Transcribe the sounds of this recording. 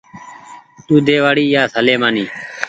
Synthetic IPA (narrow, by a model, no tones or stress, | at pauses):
t̪uːd̪eːʋaːɽiːjaːsəleːmaːniː